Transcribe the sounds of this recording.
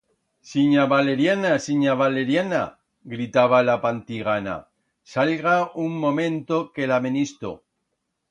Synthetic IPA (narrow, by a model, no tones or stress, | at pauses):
siɲaβale̞ɾjanasiɲaβale̞ɾjana̰ | ɣɾit̪aβalapant̪iɣ̞ana̰ | salɣauŋːõ̞mẽ̞nt̪oke̞lamenist̪o̰